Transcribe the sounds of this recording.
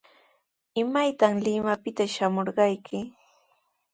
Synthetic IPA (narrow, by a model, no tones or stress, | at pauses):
ɪmajt̪aŋlɪmapɪt̪aʃamoɾɢɑjkʰɪ